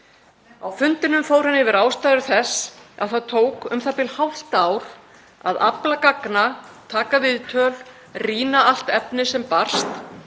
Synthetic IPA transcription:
awfʏnt̪ɪnʏmfoːwɾ̥anːɪvɛɾaːwst̪ajðɾʏθɛsa̰ðθaðt̪ʰoːwkʏmθapɪlhawht̪aːwɾ̥ | a̰ða̰plakaknat̪ʰaːkavɪðt̪ʰœːl | riːnaal̥t̪ɛpnɪsɛmpar̥st̪

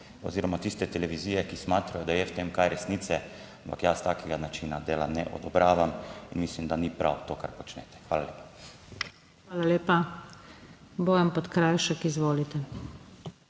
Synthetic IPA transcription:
o̰ziɾɔmat̪ist̪ɛt̪ɛlɛʋizijɛkismaːt̪ɾajɔd̪ajɛwt̪emkajɾɛsniːt̪sɛ | ampakjast̪aːkɛɡanat͡ʃiːnad̪eːlanɛ̰ʔɔ̰d̪ɔbɾaːʋaminmislimd̪anipɾa̰wt̪oːka̰ɾpɔt͡ʃnɛːt̪ɛ̥xʋaːlaleːpḁ | xʋaːlaleːpa | boːjaɐmpɔt̪kɾajʃakizʋoːlit̪ɛ

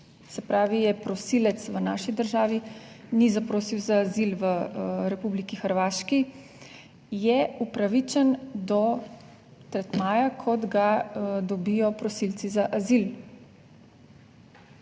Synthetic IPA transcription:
sɛpɾaːʋijɛpɾɔsilɛt̪sʋənaːʃid̪əɾʒaːʋinizapɾoːsiwzaːzilʋəɾɛpublikixəɾʋaːʃki | jɛupɾaʋit͡ʃɛnd̪ɔ | t̪ɾɛt̪maːjakʰɔd̪ɡad̪ɔbijɔpɾɔsilt̪sizaʔazil

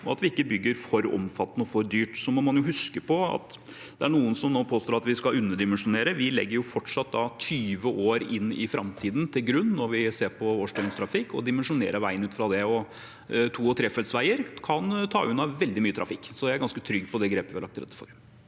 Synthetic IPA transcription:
ɔɑt̪ʋɪɪkːəbʏɡːəɾfɔɾɔ̰mfɑt̪ːənəɔfɔɾd̪yːʈsɔmɔmɑnjʊɦʉskəpʰɔɑ̰t̪ | d̪̥ɛæɳuːənsɔmnoːpʰoːst̪oːɾɑt̪ʋɪskɑlʉnːəɖɪmɛnʂʊneːɾəʋɪlɛ̰ɡːəɾjʊfɔʈʂɑt̪̚d̪ɑt̪ʰyːʋəʔoːɾɪ̰nːɪ̰fɾɑmt̪ʰiːd̪n̩t̪ʰɪlɡɾʉnːnɔɾʋɪseːɾpʰɔoːʂʈœɪŋst̪ʰɾɑfɪkːɔ̰d̪ɪmɛnʂʊnḛːɾəɾʋæɪənʉːt̪fɾɑd̪ɛɔ | t̪ʰuːɔt̪ʰɾeːfɛlsʋæɪəɾkʰɑnt̪ʰɑ̰ːʉnːɑʋɛld̪ɪmyːət̪ʰɾɑfɪkːsɔd̪ɛææɾɡɑnskət̪ʰɾʏɡpʰɔd̪ɛɡɾeːpəʋɪhɑɾlʔɑk̚t̪ɾɛt̪əɾfɔ̰ɾ

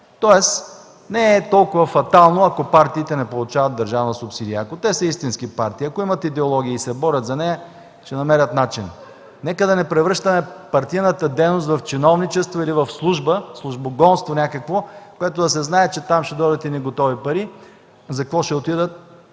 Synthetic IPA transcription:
t̪ɔɛs | nɛɛt̪ɔlˠkʊvɐfɐt̪alˠnoɐkopaɾt̪iːt̪ɛnɛpolˠut͡ʃavɐt̪d̪ːɐɾʒavnɐsʊpsid̪iɐːkot̪ɛsəist̪inskipaɾt̪iːɐkoimɐt̪id̪ɛolˠɔɡ̟iiːsɛbɔɾʲət̪zɐnɛɐ | ʃɛnɐmɛɾʲət̪nat͡ʃin | nɛkəd̪ɐnɛpɾɛvɾɤʃt̪ɐmɛpɐɾt̪ijnət̪əd̪ɛjnost̪vɐft͡ʃinɔvnit͡ʃɛst̪voilivɐfslˠuʒbəslˠuʒboɡɔnst̪vonʲakəkvokoɛt̪od̪ɐsɛznaɛt͡ʃɛt̪amʃɛd̪ɔd̪ət̪iniɡot̪ɔvipɐɾi | zɐkkvɔʃɛot̪id̪ət̪̚

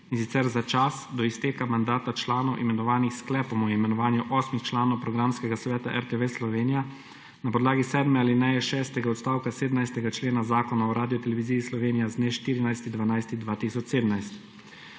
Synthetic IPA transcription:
insit̪sɛɾzat͡ʃasd̪ɔist̪eːkamand̪aːt̪at͡ʃlaːnɔwʔimɛnɔʋaːnixsklɛːpɔwɔimɛnɔʋaːnjuʔɔːsmixt͡ʃlaːnɔwpɾɔɡɾamskɛɡasʋɛːt̪aʔɛɾt̪eʋeslɔʋeːnija | napɔd̪laːɡisɛːd̪mɛalinɛjɛʃɛːst̪ɛɡaɔt̪st̪aːwkaseːd̪ənajst̪ɛɡat͡ʃleːnazaːkɔnaɔɾaːd̪ijɔt̪ɛlɛʋiziːislɔʋeːnijazneʃt̪iːɾinajst̪id̪ʋanajst̪id̪ʋaːt̪isɔt͡ʃseːd̪ənajst̪

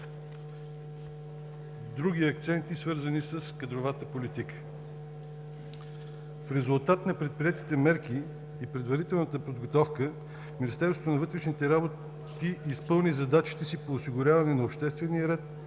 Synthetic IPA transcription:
d̪ɾuɡiɐk̚t̪sɛnt̪isvɤɾzənisəskɐd̪ɾovat̪əpolit̪ikə̥ | fɾɛzʊlˠt̪at̪nɐpɾɛt̪̚pɾiɛt̪i̥t̪ɛmɛɾk̟iː | pɾɛd̪vɐɾit̪ɛlˠnət̪əpod̪ɡot̪ɔfkə | minist̪ɛɾsot̪onɐvɤt̪ɾɛʃnit̪ɛɾabo | t̪iispɤlˠnizɐd̪at͡ʃi̥t̪ɛsipoːsiɡʊɾʲavɐnɛnɐopʃt̪ɛst̪vɛniəɾɛt̪

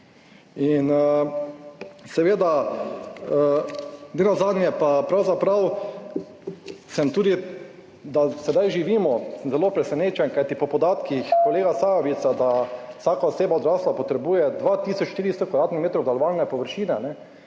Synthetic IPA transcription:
inə | sɛʋeːd̪a | əneːnɔzad̪njɛpapɾawzapɾaw | sɛmt̪uːd̪i | d̪asɛd̪ajʒiʋiːmɔsəmzɛloːpɾɛsɛneːt͡ʃɛnkajt̪ipɔpɔd̪aːt̪kixkɔleːɡasajɔʋit̪sad̪asaːkaoseːbaɔd̪ɾaːslapɔt̪ɾɛbuːjɛd̪ʋat̪iːsɔt͡ʃʃt̪iːɾist̪ɔkʋad̪ɾaːt̪nixmeːt̪ɾoʊwd̪ɛlɔʋalnɛpɔʋəɾʃiːnɛnɛ

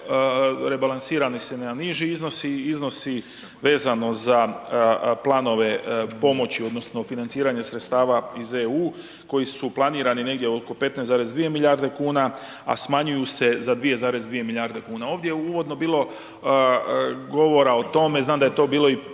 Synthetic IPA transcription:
ɾe̞balˠansiːɾanisenaniʒiizno̞siizno̞si | ʋe̞ːzano̞za | plˠaːno̞ʋe̞po̞mo̞t͡ɕio̞d̪no̞sno̞finant̪siːɾaɲe̞sɾet̪st̪aːʋaizeuː | ko̞jisuplˠaniːɾanine̞ɡd̪jeolko̞pe̞t̪neszaːɾe̞zd̪ʋije̞milʎʲjaːɾd̪e̞kuːna | a̰smaɲujuse̞zad̪ʋije̞zaːɾe̞zd̪ʋije̞milʎʲaːɾd̪e̞kuːnao̞ːʋd̪jejeuʋo̞d̪no̞biːlˠo̞ | ɡo̞ʋo̞ɾao̞t̪o̞me̞znaːmd̪aje̞t̪o̞ːbiːlˠoi

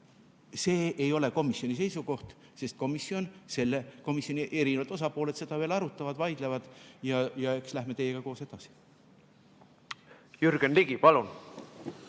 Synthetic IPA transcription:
se̞ːejo̞le̞ko̞misjo̞nʲis̬e̞jsuko̞ht̪ | se̞st̪̚ko̞misːio̞nse̞lːeko̞misjo̞nʲiʔe̞ɾinevɑt̪o̞s̬ɑpo̞ːle̞t̪se̞d̪̥ɑve̞ːlɑɾut̪ˑːɑvɑd̪̥vɑjd̪̥levɑd̪̥jɑjɑe̞kslæɦmet̪e̞jːeɡ̥ɑko̞ːse̞d̪̥ɑsi̥ | jyɾɡ̥enliɡ̥ipɑlun

